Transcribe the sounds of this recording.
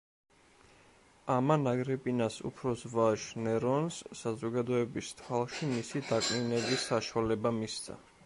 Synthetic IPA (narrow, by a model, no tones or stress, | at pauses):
amanaɡɾɛpʼinasṵpʰɾɔsvaʃnɛɾɔnsːazɔɡad̪ɔɛbist̪ʰwalˠʃimisid̪akʼninɛbisːaʃwalɛbamist̪sʰa̰